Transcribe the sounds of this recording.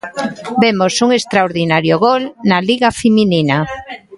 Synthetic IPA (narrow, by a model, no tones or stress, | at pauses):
bemosuŋest̪ɾaoɾðinaɾjoɣolnaliɣafeminina